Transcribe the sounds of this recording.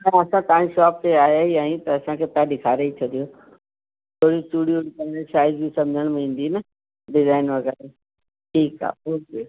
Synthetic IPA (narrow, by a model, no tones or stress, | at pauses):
nɐ̃ɐsãt̪ɐãːʃɔːp̚t̪eaːɦeiaːɦĩt̪ɐɐsãkʰet̪ãːɗɪkʰaːɾeit͡ɕʰɐd̪ijoː | t̪ʰoːɽisʈuɽijoikɐneʃaːɪzbisɐ̃md͡ʑʱəɽ̃mẽĩːn̆d̪inɐ | ɖɪzaːɪnʋɐɣɛːɾe | ʈʰiːka̰ːoːkeː